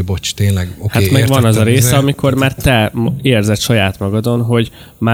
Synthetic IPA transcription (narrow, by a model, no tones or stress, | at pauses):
bot͡ʃt̪eːnlɛɡohat̪mɛɡvɒnɒzɒɾeːsɛɒmikʰo̞rmaːrt̪ɛmeːrzɛt̪ʃɒjaːt̪mɒɡɒd̪o̞nɦo̞ɟ | ma